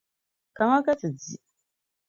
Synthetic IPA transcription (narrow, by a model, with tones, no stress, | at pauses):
ka˨ŋa˦ka˦t͡sɨ˨d͡zi˨